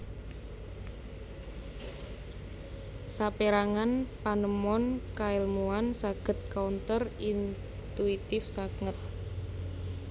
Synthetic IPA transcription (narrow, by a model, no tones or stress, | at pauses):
sapeɾaŋanpanəmɔnkaɪlmuansaɡ̥ə̤t̪̚kaunt̪ərin | t̪uit̪ɪfsakŋət̪̚